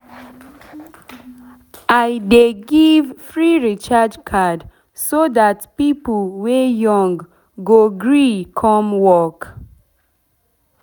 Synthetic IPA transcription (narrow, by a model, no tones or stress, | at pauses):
ajdeɡivfɹiɹit͡ʃad͡ʒkʰad | soðatpipl̩wejɔ̃ŋɡː | oɡɹikʰɔmwɔk